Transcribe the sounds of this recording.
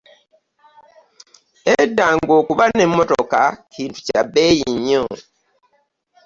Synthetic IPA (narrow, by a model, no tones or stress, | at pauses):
edːaːŋɡo̞ːkuβane̞mːo̞toka̰ciːntu̥cabe̞ːjiɲːo